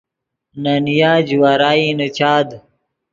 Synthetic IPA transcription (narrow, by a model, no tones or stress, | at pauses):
nanijaːd͡ʑuwaːɾaːinut͡ɕʰaːd̪